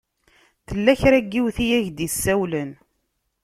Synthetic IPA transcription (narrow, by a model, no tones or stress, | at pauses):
θəlːæçɾæɡːiwθijæʝd̪isːæwlən